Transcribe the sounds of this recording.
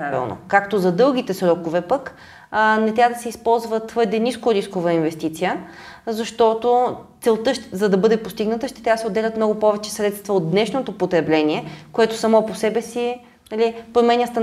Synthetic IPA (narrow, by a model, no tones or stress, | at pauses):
avḭlˠno̰kakt̪ozɐd̪ɤlˠɡ̟it̪ɛsɾɔkovɛpək | nɛt̪ɾʲavəd̪ɐsɛispɔlˠzvət̪vɤɾd̪ɛniskʊɾiskovəinvɛst̪it̪sijə | zɐʃt̪ɔt̪ot̪sɛlˠt̪ɤʃzɐd̪ɐbɤd̪ɛpost̪iɡnət̪əʃt̪ɛ̥t̪ɾʲabəsɛod̪ɛlʲɐt̪mnɔɡʊpɔvɛt͡ʃɛ̥sɾɛt̪st̪vɐod̪̚d̪nɛʃnot̪opot̪ɾɛblɛniɛkoɛt̪osɐmɔposɛbɛsi | nɐlipɾomɛnʲəst̪ɐ